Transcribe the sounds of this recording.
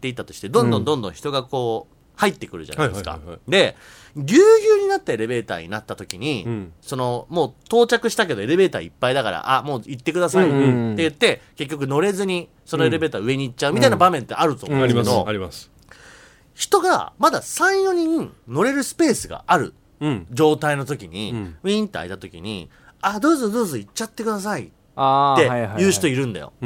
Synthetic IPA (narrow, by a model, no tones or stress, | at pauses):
t̪ːe̞it̪ːat̪oɕi̥t̪e̞d̪õ̞nd̪õ̞nd̪õ̞nd̪õ̞çi̥t̪o̞ɡako̞ː | hait̪ːe̞kɯ̟ɾɯ̟d͡ʑa̰na̰esɨka̰d̪e̞ | ɡʲɨːjʲɨːɲ̟inat̪ːae̞ɾe̞be̞ːt̪a̰ːɲ̟ḭnat̪ːat̪o̞kʲiɲ̟iso̞no̞mo̞ːt̪o̞ːt͡ɕakɯ̟ɕi̥t̪ak̬e̞d̪o̞e̞ɾe̞be̞ːt̪a̰ːipːaid̪aka̰ɾa̰ʔamo̞ːit̪ːe̞kɯ̟d̪asait̪e̞jɯ̟t̪ːe̞ke̞k̬ʲːo̞k̬ɯ̟no̞ɾe̞zɨɲ̟i | so̞no̞eɾebe̞ːt̪aːɯ̟e̞ɲ̟iːtt͡ɕːaɯ̟mʲit̪ainabamẽ̞nt̪ːe̞aɾɯ̟t̪oaɾimanoaɾimas | çi̥t̪o̞ɡa̰mad̪a̰sãɰ̃jo̞ɲ̟ĩno̞ɾe̞ɾɯ̟sɨ̥pe̞ːsɨɡa̰aɾɯ̟̰ | d͡ʑo̞ːt̪aino̞t̪o̞kʲiɲ̟ḭiĩnt̪ːea̰it̪at̪o̞kʲḭɲ̟ḭ | ad̪o̞ːzod̪o̞ːzoit͡ɕːat̪ːe̞kɯd̪as̬ai | aejɯ̟ːɕit̪oiɾɯ̟̃nd̪a̰jo̰